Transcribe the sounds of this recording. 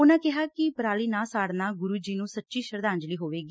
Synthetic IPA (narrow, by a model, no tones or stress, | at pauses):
ʊnãːkɪɦaːkɪpəɾaːliːnãːsaːɽnãːɡʊɾuːd͡ʒiːnũːsətːʃiːʃəɾd̪ãːɲd͡ʒliːɦoːʋeːɡiː